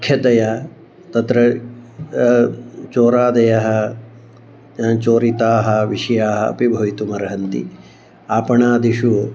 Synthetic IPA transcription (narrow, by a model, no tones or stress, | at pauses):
kʰjɐt̪ɐjɐ | t̪ɐt̪ɾɐ | t͡ʃoːɾaːd̪ɐjɐɦɐ̆ | t͡ʃoːɾit̪aːɦɐʋiʂɐjaːɦɐɐ̰pibʱɐʋit̪umɐɾɐɦɐnt̪ḭ | aːpɐɳaːd̪iʃu